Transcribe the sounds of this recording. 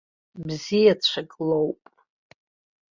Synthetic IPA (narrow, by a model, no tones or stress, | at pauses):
bzijat͡ɕʷʰakʼlowpʼ